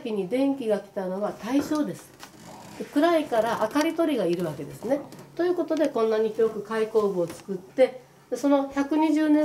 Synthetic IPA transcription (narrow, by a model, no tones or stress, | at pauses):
kʲiɲ̟id̪ẽ̞ŋkʲiɡakʲi̥t̪ano̞ɡat̪aiɕo̞ːd̪e̞sɨ̥ | d̪ekɯ̟ɾaikaɾaʔakaɾʲit̪o̞ɾʲiɡaiɾɯ̟βake̞d̪e̞sɨne̞t̪o̞jɯ̟ːko̞t̪o̞d̪e̞kõ̞nːaɲ̟içiɾo̞kɯ̟kaiko̞ːbɯ̟ot͡sɨ̥kɯ̟t̪ːe̞ | d̪eso̞no̞çʲakɯ̟ɲ̟iʑɨːnẽ